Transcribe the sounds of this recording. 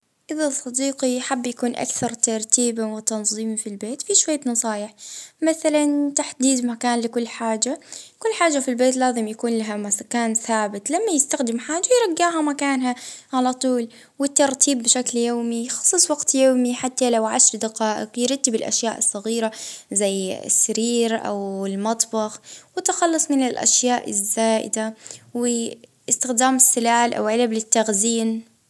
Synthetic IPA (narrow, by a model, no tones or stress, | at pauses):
ʔɪðasˤːɑd̪iːqiħabːjakuːnʔa̰kθɑɾˤt̪ɑɾˤt̪ʰiːbawɪt̪ɑnzˤiːmfilbeːt̪fiʃwajːanɑsˤɑːjɪħmaθalant̪aħd̪iːd̪makaːnlɪkʊlːħaːd͡ʒakʊlːħaːd͡ʒːafilbeːt̪̬laːzɪmjakuːnlaɦamakaːnθaːbɪt̪lamːajɪst̪axd̪ɪmħaːd͡ʒːajɾˤɑɡːaːɦamakaːnɦaʕalat̪ˤuːl | wɪt̪ːɑɾˤt̪ʰiːbːɪʃakljoːmixɑ̥sˤɨsˤwɑɡt̪joːmiħat̪ːalawʕaʃɾˤd̪aqɑːʔɪ̰qjɾˤɑt̪ːɪbɪlʔa̰ʃjaːʔɨsˤːɑɣiːɾazajːɪ̰sːaɾiːɾʔa̰wɪlmɑt̪ˤbɑxwɪt̪ːxɑlːɑsˤmɪnɪlʔa̰ʃjaːʔɪzːaːʔɪ̰d̪awɪ | ɪst̪ɪxd̪aːmɪsːɪlaːlʔa̰wʕɪlablɪt̪ːaɣziːn